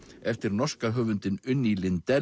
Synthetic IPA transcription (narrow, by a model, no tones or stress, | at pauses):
ɛft̪ɪɾnɔr̥skaɦœːvʏnt̪ɪnʏnːilɪnt̪ɛ